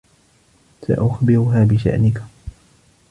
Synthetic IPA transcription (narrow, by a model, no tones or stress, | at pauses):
sa̰ʔʊxbɪɾʊɦaːbɪʃa̰ʔnɪk